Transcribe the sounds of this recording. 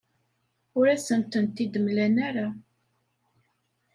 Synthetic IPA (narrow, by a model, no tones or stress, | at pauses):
ʊɾæsənt̪ənt̪ːid̪əmlænæɾa